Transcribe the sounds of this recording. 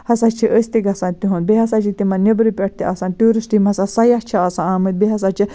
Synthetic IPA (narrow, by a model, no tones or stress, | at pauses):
hɐsat͡ʃʰiʔəsʲt̪iɡɐsãːnt̪iɦũn̚biɦɐsat͡ʃʰit̪imɐnʲɐbɾipʲɐʈ̚t̪iʔɐsãːnʈuːɾɨsʈimɐsasɐjɐt͡ʃʰɐɐsãaːmɨt̪̚biɦɐsat͡ʃʰi